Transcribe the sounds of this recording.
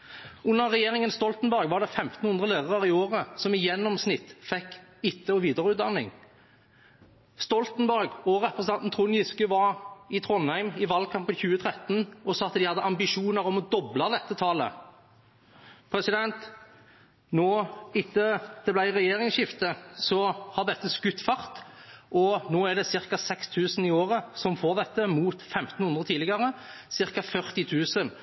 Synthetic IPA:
ʉnːəʁʁɛjeːʁɪŋənst̪ɔlt̪nbæʁɡʋɑʁd̪ɛfɛmt̪n̩hʉnd̪ʁəleːʁəʁəʁɪoːʁəsɔmɪjɛnːɔmsnɪt̪ːfɛkːɪt̪ːəɔʋiːd̪əʁəʉːd̪ɑnːɪ̰ŋ | st̪ɔlt̪nbæʁɡɔɾɛpɾəsnʰɑnt̪n̩t̪ʰʁʊnjɪskəʋɑʁɪt̪ʰʁɔnhæɪmɪʋɑlkʰɑmpəçʉːət̪ʰʁɛt̪nɔsɑːɑt̪d̪ɪhɑd̪ːəʔɑmbɪʂuːnəɾɔmɔd̪ɔblɑd̪ɛt̪ːət̪ʰɑːlə̰ | pʰɾɛsɪd̪ɛnt̪ | nɔːɪt̪ːəd̪̥ɛblæɪʁɛjeːʁɪŋsʃɪft̪əsɔhɑʁd̪ɛt̪ːəskʉt̪ːfɑʁt̪ʔɔnoːæʁd̪ɛsɪʁkɑsɛkst̪ʰʉːsənɪoːʁəsɔmfoːʁd̪ɛt̪ːəmuːt̪fɛmt̪n̩hʉnd̪ʁət̪ʰiːlɪɡɑʁəsɪʁkɑfœʁt̪ɪt̪ʰʉːsən

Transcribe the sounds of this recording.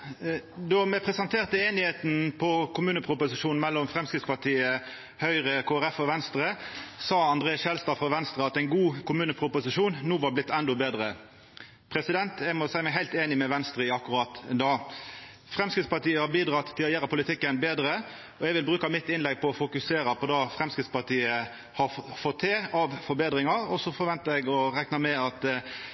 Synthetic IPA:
d̪ɔmɛpʰʁɛsɑnt̪ʰeːʁt̪əeːnɪheːt̪n̩pʰɔkʰʊmʉːnəpʰʁʊpʊsɪʂuːnmɛlːɔmfɾʁɛmskɾɪt̪spɑʈʰiːə | hœʏʁəkʰoːæɾɛfɔʋɛnst̪ɾəsɑːɑnd̪ʁeːɑsʃɛlst̪ɑːfɔʋɛnst̪ʁəɑt̪æɪnɡuːkʰʊmʉːnəpʰʁʊpʊsɪʂuːnnuːʋɑblɪt̪ːɛnd̪ɔbeːd̪ɾə | pʰɾɛsɪd̪ɛnt̪ʰɛmɔsæɪmæɪɦæɪlt̪eːnɪmɛʋɛnst̪ɾəɑkːʉɾɑt̪d̪ɑː | fɾɛmskɪt̪spɑʈ̪iːəhɑɾbiːd̪ɾɑːt̪ːʰɪlɔjeːɾɑpʰʊlɪt̪ʰɪkːənbeːd̪ɾə | ɔɛɡʋɪlbɾʉːkɑmɪt̪ːɪnlɛɡ̚pʰɔɔfʊkʉseːɾəpʰɔd̪ɑːfɾɛmskɾɪt̪spɑʁt̪ʰiːə | hɑfɔt̪ʰːeːɑʋfɔɾbeːd̪ɾɪŋɑɾɔsɔfɔɾʋɛnt̪əɛɡɔɾɛknɑmɛɑt̪

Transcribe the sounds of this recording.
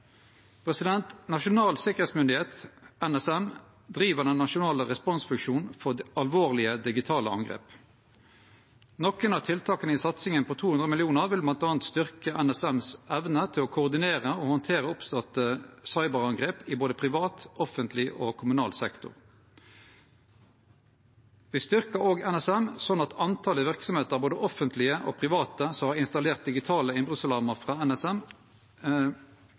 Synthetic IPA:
pʰʁɛsɪd̪ɛnt̪nɑʃʊnɑːlsɪkəʁeːt̪smʏnd̪ɪheːt̪ɛnɛsɛm | d̪ʁiːʋəʁd̪ɛnnːɑʃʊnɑːləʁɛspɔnsfʉŋʃuːnfɔɑlʋoːʁlɪəd̪ɪɡɪt̪ʰɑːləɑ̰ŋɡʁḛːp | nɔkənɑːt̪ʰɪlt̪ʰɑːkənəɪsɑt̪sɪŋənpʰot̪ʰuːhʉnd̪ʁəmɪlɪuːnəʁʋɪlblɑnt̪ɑːɑnt̪st̪ʏʁkəʔænɛsɛmsɛʋnət̪ʰɪloːkʰʊːʁd̪ɪneːʁəoːhɔnt̪ʰeːʁəʊpst̪ɑt̪əsɑɪbəʁɑŋɡʁeːpɪboːd̪əpʰʁɪʋɑːt̪ʔɔfənt̪ʰlɪʔoːkʰʊmʉnɑ̰ːlsɛkt̪ʊ̰ʁ | ʋɪst̪ʏʁkəoːɡɛnɛsɛmsɔnːɑt̪ʰɑnt̪ʰɑːləʋɪʁksɔmheːt̪əʁboːd̪əʔɔfənt̪ʰlɪəʔoːpʰʁɪʋɑːt̪əsɔmhɑːʁɪnst̪ɑleːʁt̪̚d̪ɪɡɪt̪ʰɑːləɪnbʁʉslɑʁməʁfʁɑɛnɛsɛm

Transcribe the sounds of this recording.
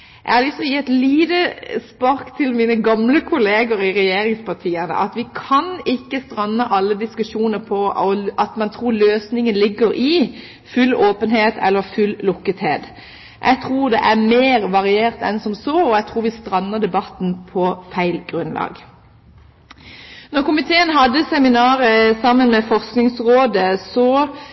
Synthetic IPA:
ʔæ̰hɑlɪsɔjɪɛt̪liːd̪əspɑɾkt̪ʰɪlmiːnəɡɑmləkʰʊleːɡəɾɪʁɛjeːɾɪŋspɑt̪ʰiːənə̰ʔɑt̪ʋɪkʰɑnɪkːəst̪ʁɑnːəʔɑlːəd̪ɪskʉʃuːnəɾpʰɔɔʔɑt̪mɑnt̪ʰʁuːɾløːsnɪŋənlɪɡːəɾʔɪ | fʉlːoːpənheːt̪ʰɛ̰lːəfʉlːlʊkːət̪heːd̪ | ʔɛ̰ɡ̚t̪ʰʁuːʁd̪ɛʔæʁmeːʁʋɑʁɪeːʁt̪ɛ̰nsɔmsɔɔɛɡt̪ʰʁuːʋɪst̪ʁɑnːəʁd̪ɛbɑt̪n̩pʰɔfæɪlɡʁʉnlɑ̰ːɡ | nɔʁkʊmɪt̪ʰeːənɦɑd̪ːəsɛmɪnɑːʁəsɑmənmɛfɔʁsknɪŋsʁoːd̪əsɔ

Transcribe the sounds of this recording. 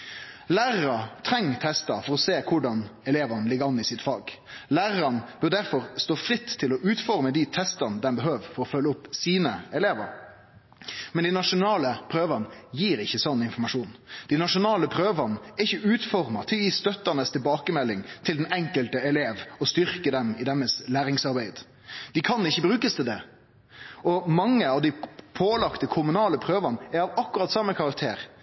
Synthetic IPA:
læːʁəɾət̪ʰɾɛŋːt̪ʰɛst̪ɑfɔɾɔseːkʰʊɖɑnɛleːʋɑnlɪɡəɾɑnːɪsɪt̪fɑːɡlæːʁəɾɑnb̥œʁd̪æɾfɔɾst̪oːfɾɪt̪ʰːɪlɔʔʉːt̪fɔɾməd̪iɪt̪ʰɛst̪ɑnəd̪ɛnbəɦøːʋfɔɾɔfœlːəʊpsiːnəɛleːʋə̰ɾ | mɛnd̪ɪnɑʂʊnɑːləpʰɾøːʋɑnjiːɾɪçːəsɔnːɪnfɔɾmɑʂuːnd̪̥ɪnɑʂʊnɑːləpʰɾøːʋɑnɛɪçːəʉːt̪fɔɾmɑt̪ʰɪlɔjiːst̪œt̪ːɑnəst̪ʰɪlbɑːkəmɛlːɪŋt̪ʰɪld̪ɛnɛŋkəlt̪əɛleːʋɔst̪ʏɾkəd̪ɛmɪd̪ɛmːəslæːɾɪŋsɑɾbæɪd̪ | d̪̥ɪkʰɑnːɪçːəbɾʉːkəst̪ʰɪld̪ɛ | ɔmɑŋːəɑʋd̪ɪpʰoːlɑkt̪əkʰʊmʉnɑːləpʰɾøːʋɑnæɾɑʋɑkːʉɾʁɑt̪sɑmːəkʰɑɾɑk̚t̪ʰḛːɾ

